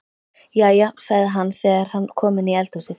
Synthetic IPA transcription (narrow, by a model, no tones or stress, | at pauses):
jaːjasaɣðɪɦanːθɛːɣaɾ̥hanːkʰɔːmɪniɛlt̪usɪ